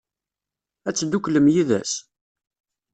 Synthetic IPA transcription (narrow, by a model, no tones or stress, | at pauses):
æt͡sːd̪ukləmjiðæ̰s